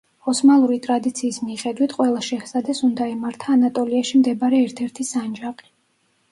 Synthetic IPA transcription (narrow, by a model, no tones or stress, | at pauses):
ɔsmalˠuɾit̪ʼɾad̪it̪sʰiːsmiχɛd̪wit̪ʰqʼwɛlˠaʃɛhsad̪ɛsund̪aimaɾt̪ʰaːnat̪ʼɔliaʃimd̪ɛbaɾɛːɾt̪ʰɛɾt̪ʰisand͡ʒaqʼi̥